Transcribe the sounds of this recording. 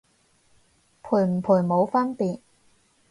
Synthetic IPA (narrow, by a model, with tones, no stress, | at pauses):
pʰuː˨˩jm̩˨˩pʰuː˨˩jmo˨˧wfɐ˥npiː˨t̚